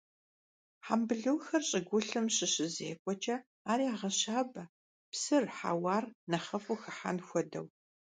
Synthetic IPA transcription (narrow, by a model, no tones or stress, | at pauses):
ħa̰mbɨɮɨwxɐrɕʼɪɡʷʊɬɨmɕɪɕɪzeːkʷʼɔt͡ʃʼɐ | aːɾiːaʁɐɕaːbɐ | psɨrħa̰waːrnɐχɐfuxɐħa̰nxʷɔdɐ̰w